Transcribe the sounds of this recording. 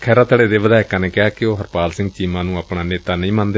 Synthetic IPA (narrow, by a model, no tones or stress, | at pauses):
kʰɛːɾaːt̪əɽeːd̪eːʋəd̪aːɪkãːneːkɪaːkɪoːɦəɾpaːlsɪ̃ŋɡ̚t͡ʃiːmãːnũːaːpɳaːneːt̪aːnə̃ĩːmãnd̪e